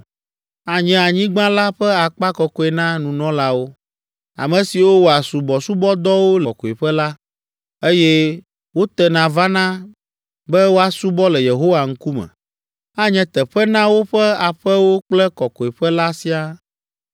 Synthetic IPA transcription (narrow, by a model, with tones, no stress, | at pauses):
a˨ɲɛ̃˨a˨ɲĩ˦ɡ͡bã˦la˦ɸɛ˦a˨k͡pa˦kɔ˨kɔ˦ɛ˨nã˦nũ˨nɔ̃˦la˦wo˦ | a̰˨mɛ̃˨si˨wo˦wo˨a˨su˨bɔ˨su˦bɔ˦d̪ɔ˦wo˦lkɔ˨e˨ɸɛ˦la˦ | e˦jɛ˦ | wo˦t̪ɛ˦nã˨va˦nã˦ | bɛ˦wo˦a˨su˦bɔ˦lɛ˨je˨ɦo˦wa˨ŋ̩˦ku˦mɛ̰̃˨ | a˦ɲɛ̃˨˦t̪ɛ˨ɸɛ˦nã˦wo˦ɸɛ˦a˨ɸɛ˦wo˦k͡plɛ˦kɔ˨kɔ˨e˨ɸɛ˦la˦si˦a˦